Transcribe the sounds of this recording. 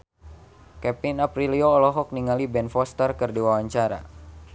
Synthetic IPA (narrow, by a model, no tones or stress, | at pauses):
kɛpinapɾilioːlɔɦɔk̚niŋalibɛnfɔst̪ərkɨrdiwawaɲt͡ʃaɾa̰